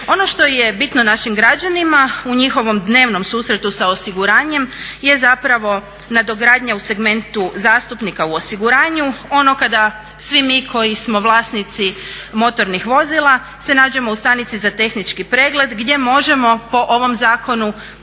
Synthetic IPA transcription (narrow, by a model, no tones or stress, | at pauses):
o̞no̞ʃt̪o̞jebit̪no̞naʃimɡɾad͡ʑanimauɲixo̞ʋo̞md̪ne̞ːʋno̞msuːsɾe̞t̪usao̞siɡuɾaːɲe̞mje̞zapɾaʋo̞ | nad̪o̞ɡɾaːd̪ɲause̞ɡme̞nt̪uzaːst̪upnikauo̞siɡuɾaːɲuo̞no̞kad̪a | sʋimiːkʰo̞jismo̞ʋlˠaːsnit̪si | mo̞t̪o̞ɾnixʋo̞zilˠa | se̞naːd͡ʑemoust̪anit̪sizat̪e̞xnit͡ʃkipɾe̞ːɡle̞d̪ɡd̪je̞mo̞ʒe̞mo̞po̞ʔo̞ʋo̞mzaːkʰo̞nu